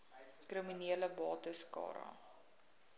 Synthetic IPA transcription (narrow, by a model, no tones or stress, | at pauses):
kriminiələbɑːtəskɑ̰ːɾɑ̰